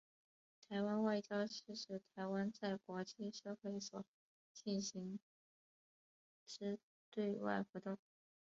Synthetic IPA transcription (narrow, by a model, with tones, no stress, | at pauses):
t̪ʰa˧˥ɪwa˥nwa˥˧ɪt͡ɕjɑ˥ʊʂ̩˥˧ʂɻ̩˥˩t̪ʰa˧˥ɪwa˥nt͡sa˥˩ɪkwɔ˧˥t͡ɕi˥˧ʂɤ˥˧xwe˥˩ɪswɔ˨˩ | t͡ɕi˥˩nɕi˧˥ŋ | ʈ͡ʂɻ̩˥ | t̪we˥˧ɪwa̰˥˩ɪxu˧˥t̪ʊ˥˩ŋ